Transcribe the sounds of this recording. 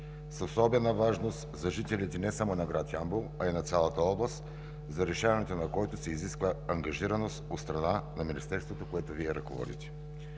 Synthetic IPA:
sosɔbɛnəvaʒnost̪zɐʒit̪ɛlʲit̪ɛnɛsamonɐɡɾat̪jambulˠɐinɐt̪sʲalˠət̪əɔblˠəst̪ | zɐɾɛʃavɐnɛt̪onɐkɔjt̪ʊsɛiziskvəɐŋɡɐʒiɾɐnost̪ot̪st̪ɾɐnanɐminist̪ɛɾst̪vot̪okoɛt̪ʊviɛɾɐkovɔ̰d̪ḭt̪ɛ̥

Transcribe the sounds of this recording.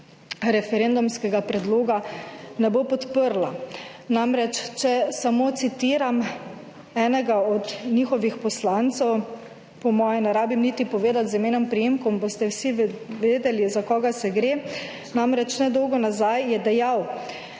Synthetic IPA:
ɾɛfɛɾend̪umskɛɡapɾɛd̪loːɡanɛbopɔt̪pəɾlanamɾɛt͡ʃt͡ʃɛsamoːt̪sit̪iːɾam | ɛːnɛɡaɔd̪nixɔʋixpɔslant̪sɛw | pɔmɔːjɛnɛɾaːbimnit̪ipɔʋeːd̪at̪zimeːnɔmpɾijeːmkɔmbost̪ɛwsiʋeːd̪ɛlizakɔːɡasɛɡɾe | namɾɛt͡ʃnɛd̪ɔwɡɔnazajjɛd̪ɛjaw

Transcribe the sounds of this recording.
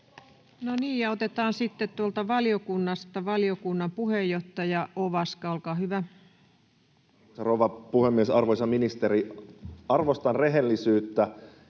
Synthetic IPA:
noniːjɑot̪et̪ɑːnsit̪ːet̪t̪uolt̪ɑʋɑliokunːɑst̪ɑʋɑliokunːɑmpuhejːoht̪ɑjɑʔoʋɑskɑolkɑːhyʋæ | ɑroʋɑpuhemːiesɑrʋojsɑminist̪eɾiɑrʋost̪ɑnreɦelːisyːt̪ːæ

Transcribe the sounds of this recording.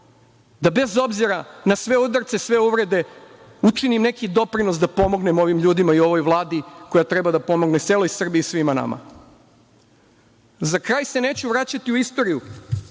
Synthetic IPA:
d̪abe̞zo̞bziɾanasʋeud̪rt̪se̞sʋe̞uʋɾe̞d̪e̞ | ut͡ʂinimne̞kid̪o̞pɾino̞s̬d̪apo̞mo̞ɡne̞mo̞ʋimʎuːd̪imaio̞ʋo̞jʋlˠaːd̪iko̞jat̪ɾe̞bad̪apo̞mo̞ɡnet̪eːlo̞jsr̩biiːsʋimana̰ma̰ | zakɾaːjse̞ne̞ːt͡ɕuʋɾat͡ɕat̪iuist̪o̞ɾiju

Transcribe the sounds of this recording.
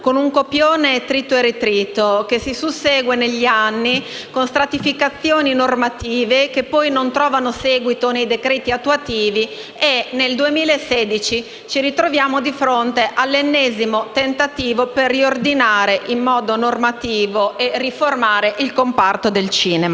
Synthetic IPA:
konuŋkopjoːnet̪ɾit̪ːoeɾet̪ɾiːt̪okesisuseːɡweneʎːianːi | konst̪ɾat̪ifikat̪sːjoːninormat̪iːvekepːɔjnont̪ɾɔːvanosɛːɡwit̪onejd̪ekɾeːt̪iat̪ːuat̪iːvi | eneld̪uemiːlaeseːd̪it͡ʃi | t͡ʃiɾit̪ɾovjaːmod̪ifɾont̪eʔalːenːɛːzimot̪ent̪at̪iːvoperːiord̪inaːɾeʔimːɔːd̪onormat̪iːvoʔeriformaːɾeʔilkompart̪od̪elt͡ʃiːnema

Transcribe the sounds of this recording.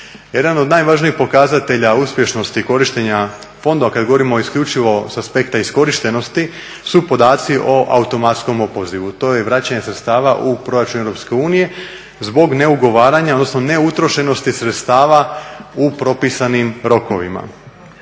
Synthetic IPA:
je̞d̪ano̞d̪najʋaʒniixpo̞kazat̪e̞ʎauspʲje̞ʃno̞st̪iko̞ɾiʃt̪eɲa | fo̞nd̪oakad̪ɡo̞ʋoɾimoːiskʎut͡ʃiʋo̞saspe̞kt̪aisko̞ɾiʃt̪e̞no̞st̪i | supo̞d̪aːt̪siʔo̞ʔaut̪o̞mat̪sko̞mopo̞ziʋut̪o̞jeʋɾat͡ɕaɲesɾet̪st̪aːʋaʔupɾo̞ɾat͡ʃuneʋɾo̞pske̞uːnije̞ | zbo̞ɡne̞uɡo̞ʋaːɾaɲaod̪nosno̞ne̞ut̪ɾo̞ʃe̞no̞st̪isɾet̪st̪aːʋaupɾo̞pisanimɾo̞ko̞ʋima̰

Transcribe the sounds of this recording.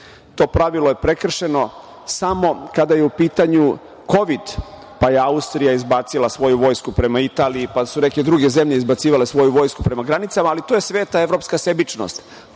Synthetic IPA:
t̪o̞ːpɾaʋilojepɾe̞kr̩ʃe̞no̞ | samo̞kad̪ajeupiːt̪aɲu | ko̞ʋid̪ | paje̞aust̪ɾijaizbaːt̪silˠasʋo̞juʋo̞ːjskupɾe̞mait̪aːliːpasune̞ke̞d̪ɾuɡe̞ze̞mʎeizbat̪siːʋale̞sʋo̞juʋo̞jskupɾe̞maɡɾanit̪samaːlit̪oːje̞sʋeːt̪ae̞ʋɾo̞pskase̞bit͡ʃno̰st̪

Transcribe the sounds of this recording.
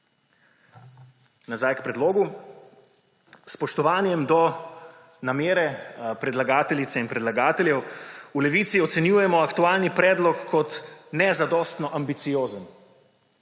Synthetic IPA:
nazaːjkpɾɛd̪loːɡu | spɔʃt̪ɔʋaːnjɛmd̪ɔ | nameːɾɛpɾɛd̪laɡaːt̪ɛlit̪sɛinpɾɛd̪laɡaːt̪ɛlʲjɛwulɛʋiːt̪siɔt̪sɛnjuːjɛmɔakt̪ualnipɾɛːd̪lɔkːɔt̪nɛzad̪ɔːst̪nɔʔambit̪sijoːzən

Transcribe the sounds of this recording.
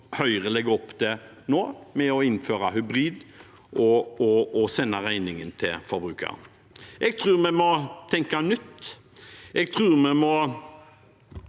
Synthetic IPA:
hœʏʁəlɛɡəɔpːd̪ɛ | noːmɛɔɪnføːɾaɦʉbɾiːd̪ | ʔɔɔɔsɛnːəʁæɪnɪŋənt̪ʰɪlfɔɾbɾʉːkə̰ʁ | ʔɛɡt̪ʰʁʉːʁmɛmɔt̪ʰɛŋkanʏt̪ː | ʔɛɡt̪ʰʁʉːʁmɛmɔ

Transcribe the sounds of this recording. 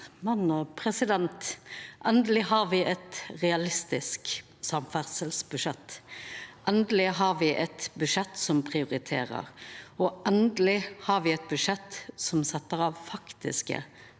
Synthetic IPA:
mɑnːɔpʰʁɛsɪd̪ɛnt̪ʔɛnd̪əlɪɦɑʁʋɪʔɛt̪ʁɛɑlɪst̪ɪsk | sɑmfæʁsəlsbʉʃɛt̪ː | ʔɛnd̪əlɪɦɑʁʋɪʔɛt̪bʉʂɛt̪sɔmpʰʁɪʊʁɪt̪ʰḛːʁə̰ʁɔʔɛnd̪lɪhɑʁʋɪɛt̪̚bʉʂɛt̪ːsɔmsɛt̪ːəɾɑʋfɑkt̪ɪ̰skə̰

